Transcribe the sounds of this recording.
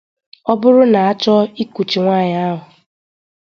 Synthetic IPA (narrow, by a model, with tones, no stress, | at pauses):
ɔ˦bʊ˦ɾʊ˦na˨a˦t͡ʃɔ˦i˦ku˨t͡ʃi˨ŋʷaː˦˨ɲa˦a˦ɦʊ˨